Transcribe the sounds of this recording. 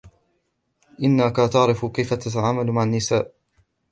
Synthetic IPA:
ʔɪnːakat̪ɑʕɾɪfkajfat̪at̪aʕaːmalmaʕanːɪsaːʔ

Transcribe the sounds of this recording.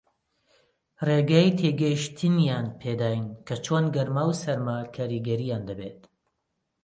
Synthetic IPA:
reɡaːjit̪ʰeːɡɐjiʃt̪ʰɨnjaːnpʰeːd̪aːjnkʰɐt͡ʃʰoːnɡɐɾmaːwsɐɾmakʰaːɾiɡɐɾijaːnd̪ɐbet̪

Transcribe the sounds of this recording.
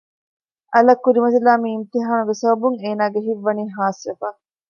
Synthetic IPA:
ʔɐlɐkːuɾimɐt̪̬ilaːmiːmt̪iɦaːɳuɡesɐbɐbuŋeːnaːɡeɦiʋːɐniːɦaːsʋefaː

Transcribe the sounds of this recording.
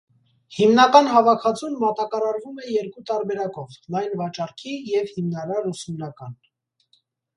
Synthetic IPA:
himnɑkɑnɦɑvɑkʰɑt͡sʰunmɑt̪ɑkɑɾɑɾvumɛjɛɾkut̪ɑɾbɛɾɑkɔvlɑjnvɑt͡ʃɑrkʰijɛvhimnɑɾɑɾusumnɑkɑn

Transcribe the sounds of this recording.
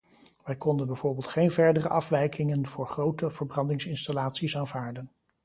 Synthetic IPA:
ʋɛjkɔndənbɛjv̥oːɹbɪːlˠtχejnvɛɹdərəʔɑfʋɛjkʰɪŋənv̥ʊːɹχrowtəv̥əɹbrɑndɪŋsɪnstalaːtsisaːnvaːɹdən

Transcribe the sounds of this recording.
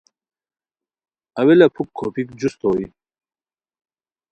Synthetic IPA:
ɐwelɐpʰukʰːopikd͡ʑust̪oːi

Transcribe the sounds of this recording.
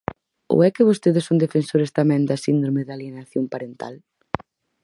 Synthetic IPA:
o̰ɛkɪβ̞ost̪eðɪsõnd̪efensoɾest̪amɛ̃nd̪ɐsind̪ɾomeðaljenaθjompaɾent̪a̰l

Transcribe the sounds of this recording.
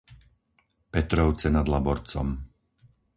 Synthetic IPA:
pɛt̪ɾɔʊt͡sɛnad̪labɔɾt͡sɔm

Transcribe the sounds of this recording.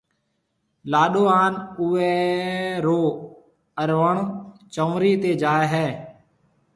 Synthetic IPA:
laːɗoːaːnʊʋɛːɾoː | əɾʋəɳt͡ʃə̃ʋɾiːt̪eːd͡ʒaːeɦɛː

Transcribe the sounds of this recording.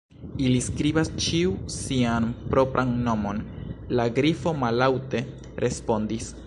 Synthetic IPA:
iliskɾibast͡ʃiusianpɾo̞pɾʔanːo̞mo̞nlaɡɾifo̞malawte̞ | ɾʔe̞spo̞ndis

